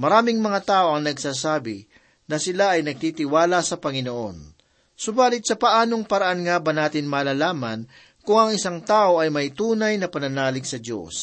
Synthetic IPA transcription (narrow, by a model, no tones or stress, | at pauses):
mɐɾaːmɪŋmɐŋat̪aːʔo̞ɐŋnɐɡsaːsaːbɪ | nɐsɪlaʔɐjnɐɡ̚t̪iːt̪ɪwaːlɐsɐpɐŋɪnoʔo̞̰n | sʊbaːlɪt̪̚t͡ʃɐpɐʔaːno̞ŋpɐɾɐʔanŋaːbɐnaːt̪ɪnmaːlaːlaːmɐn | kʊŋɐŋʔɪsaŋt̪aːʔo̞ʔɐjmɐjt̪uːnɐjnɐpɐnɐnaːlɪɡsɐd̪jo̞̰s